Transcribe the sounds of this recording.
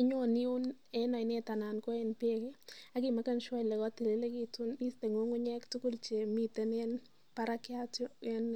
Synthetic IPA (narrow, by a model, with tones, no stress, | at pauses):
ɪ˦ɲoni˦ʊ˦n | enɔ˨i˨ne˦ta˨na˨nko˦enpe˦ke˦a˨kima˦ka˦nʃwa˦lɛ˨kɔ˦ti˨li˦le˦kitʊni˦ste˨ŋo˦ŋʊ˦ɲɛ˦ktʊ˦kʊ˦lt͡ʃe˨mi˨te˦ne˦n | paɾakjat͡ʃɔ˦ɛn